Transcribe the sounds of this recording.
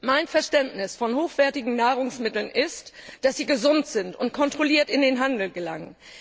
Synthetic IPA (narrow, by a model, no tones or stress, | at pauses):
maɪnfɛɐʃtɛntnɪsfɔnhoːxv̥ɛɐtɪɡŋ̩naːʁ̞ʊŋsmɪtl̩nʔɪstd̥asz̥iːɡəzʊntz̥ɪntʊntkʰɔntʁ̥oliːɐtɪndeːnɦandl̩ɡəlaŋən